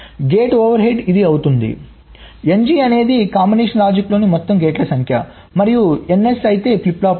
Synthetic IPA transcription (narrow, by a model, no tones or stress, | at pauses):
ɡe̞ːʈoːʋɐɾɦe̞ɖid̪iɐwut̪und̪ḭ | e̞nd͡ʒiːɐne̞ːd̪ikaːmbineːʂɐnɾaːd͡ʒɐklo̞ːnimɔt̪ːɐmɡeːʈlɐsɐŋkʰjɐ | mɐɾijue̞ne̞sɐjit̪e̞ːplipːlaːp